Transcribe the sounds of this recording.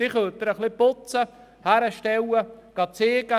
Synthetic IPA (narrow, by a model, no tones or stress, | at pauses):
d̥iχølt̪ːəɾəχlɪpʊt͡sə | hæɾəʃtɛwəɡ̥ɑt͡seːɡ̥ə